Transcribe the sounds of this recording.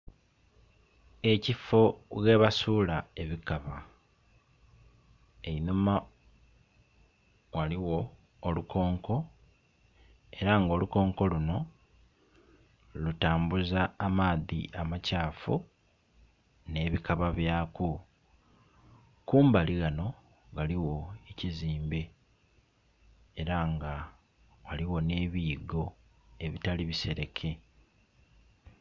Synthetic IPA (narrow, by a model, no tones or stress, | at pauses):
e̞cifo̞ɣe̞βasuːlae̞βikaβa | einuma | waliwo̞ː | lukʰo̞ːŋko̞ | e̞ɾaŋɡo̞ːluko̞ːŋko̞luno̞ | lutaːmbuzaːmaːðḭʔamacaːfu | ne̞ːβikʰaβaβjaːku | kuːmbaliɣano̞ | ɡaliwo̞eciziːmbe̞ | ɾaŋɡa | waliwo̞ne̞ːβiːɡo̞ | e̞βitaliβise̞ɾe̞kʰe̞